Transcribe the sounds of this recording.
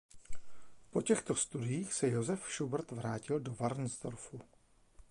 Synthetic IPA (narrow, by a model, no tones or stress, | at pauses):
po̞cɛxt̪o̞st̪udɪjiːxsɛjozɛfʃubr̩t̪vɾaːcɪldo̞vaɾn̩zd̪o̞̰ɾfu